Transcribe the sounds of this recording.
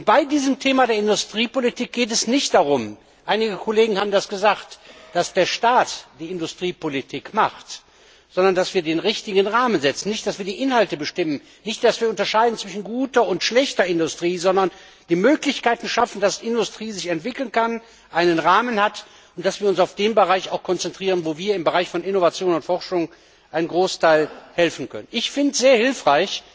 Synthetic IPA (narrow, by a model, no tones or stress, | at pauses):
ʔʊnt̚b̥aɪdiːzəmtʰeːmadeːɐɪndʊstʁ̥iːpolitʰiːk̚ɡ̥eːt̬ɛsnɪçt̚d̥aʁʊm | ʔaɪnɪɡəkʰoleːɡŋ̩haːbm̩dasɡ̥əzaːxtd̥asd̥eːɐʃtaːtd̥iːɪndʊstʁ̥iːpolitʰiːkmaχt | z̥ɔndɐndasv̥iːɐdeːnʁɪçtɪɡənʁaːmənzɛt͡sn̩nːɪçtd̥asv̥iːɐdiːʔɪnhaltəbəʃtɪmən | nɪçt̚d̥asv̥iːɐʊntɐʃaɪdn̩t͡sv̥ɪʃn̩ɡuːtɐʊntʃlɛçtɐɪndʊstʁ̥iːzɔndɐn | d̥iːmøːklɪçkaɪtn̩ʃafn̩dasiɪndʊstʁ̥iːzɪçɛntv̥ɪkl̩nkan | ʔaɪnənʁaːmənhat | ʊnt̚d̥asv̥iːɐʊnsaʊfd̥eːmbəʁaɪçaʊxkʰɔnt͡sɛntʁ̥iːʁənvoːviːɐɪmbəʁaɪçfɔnɪnovat͡sjoːnʊntfɔʁʃʊŋ | ʔaɪnənɡʁoːstʰaɪlhɛlfn̩kʰœ̰nənʔɪçfɪntz̥eːɐhɪlfʁ̥aɪç